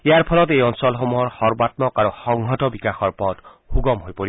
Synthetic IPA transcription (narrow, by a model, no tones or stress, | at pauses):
eaɹpʰɔlɔtejɔnsɔlxomuɦɔɹxɔɹbatmɔkaɹoxɔŋɦɔtɔbikaxɔɹpɔt | xuɡɔmɦojpoɹi